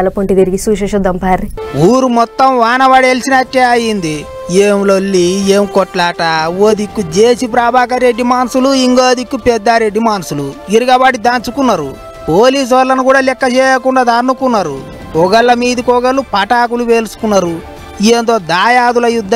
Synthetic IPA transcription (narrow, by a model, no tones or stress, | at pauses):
lɐpoɳʈid̪eɾiɡisuːʃɐʃɐd̪ɐmpaːɾiuːɾumɔt̪ːɐmʋaːnɐʋaɽeːlsinɐkːeɐjind̪i | eːmlolːieːmkɔʈlaːʈaːoːd̪ikːud͡ʒeːsip̬ɾaːbʱaːk̬ɐɾeɖːimaːnsuluiŋɡoːd̪ikːupɛd̪ːaɾeɖimaːnsuluiɾiɡɐbaːɽid̪aːnt͡ʃukunːɐɾu | poːliːs̬ʋɐlːɐnukuːɽaːlɛkːɐt͡ʃɛːjɐkuɳɖaːd̪ɐnːukunːɐɾu | ɔɡɐlːɐmiːd̪ikɔɡɐlːupɐʈaːk̬uluʋe̞ːlusu̥kunːɐɾu | eːnd̪oːd̪aːjaːd̪ulɐjud̪ːɐ